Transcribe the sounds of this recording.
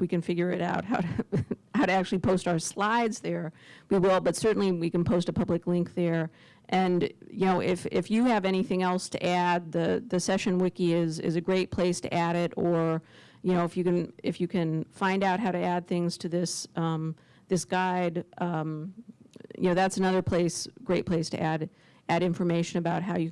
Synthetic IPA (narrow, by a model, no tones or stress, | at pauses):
wikɨ̃nfɪɡjə˞ɨɾaʊt̚haʊɾɨhaʊɾɨæk̚t͡ʃʉl̩ˠipʰoʊstaʊə˞slaɪdzðə˞wiwɪlˠbʌtsɜ˞ʔn̩liwikɨ̃n̩pʰoʊstəpʰʌblɨklɪ̃ŋk̚ðə˞ | ʔɨ̃njɨnoʊʔɪfɪ̰fjɨːvɛɾ̃iθɪ̃ŋɛlˠstʰɨ̰ʔæd̪̚ðɨðɨsɛʃɨ̃nwɪkiɪzɪ̰zɨɡɹeɪt̚pʰl̥eɪstʰɨ̰ʔæɾɪɾə˞ | jɨnoʊɨfjɨkɨ̃nɪfjɨkʰɨ̃nfãɪ̃ndaʊt̚ɦaʊɾɨæd̪̚θɪ̃ŋz̥tʰɨðɪsʌ̃m | ðɪsɡ̥aɪdʌ̃m | jɨ̰noʊðætsɨnʌðə˞pʰl̥eɪsɡ̥ɹeɪt̚pʰl̥eɪstʰɨ̰ʔæɾ | æɾɪ̃ɱfə˞meɪʃɨ̃nɨbaʊt̚ɦaʊjɨ